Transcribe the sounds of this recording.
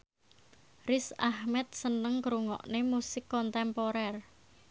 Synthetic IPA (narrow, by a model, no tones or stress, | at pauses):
rɪsahmɛt̪̚sənəŋkɾuŋɔ̰ʔnemusɪkːɔnt̪ɛmpɔɾɛr